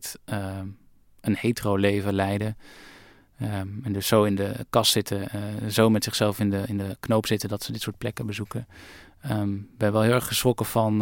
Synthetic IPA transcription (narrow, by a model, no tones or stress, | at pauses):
t | ənhejtrowlejvəlɛjdə | ɛndɵsːowɪndəkɑstːɪtəzowmɛtsɪχsɛlˠfɪnəɪndəknowpsɪtədɑtsədɪtsʊːɹt̚plɛkəbəzukə | bɛnʋɛlˠɦɪlˠɛɹχχəsχɔkəv̥ɑn